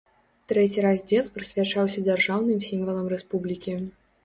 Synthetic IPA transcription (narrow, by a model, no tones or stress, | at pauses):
t̪ɾɛt͡sʲiɾazʲd͡zʲɛlˠpɾɨsʲvʲat͡ʂawsʲɐd͡zʲarʐawnɨmsʲimvɐlˠɐmɾɛspublʲikʲi